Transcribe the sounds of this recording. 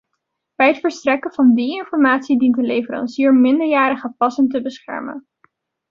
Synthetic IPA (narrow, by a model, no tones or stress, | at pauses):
b̥ɛjɦətfəɹstrɛkəvɑndiɪnfɔɹmaːtsidintəlejfəɾɑ̰nsiːɹmɪndəɹjaːɾəχəpɑsəntəbəsχɛ̰ɹmə̰n